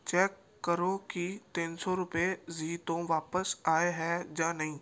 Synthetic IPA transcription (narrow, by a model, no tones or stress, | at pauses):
t͡ʃɛːkːəɾõkit̪ĩːnsɔɾʊpeziːt̪õʋaːpəsaːeɦɛd͡ʒaːnɐɦĩː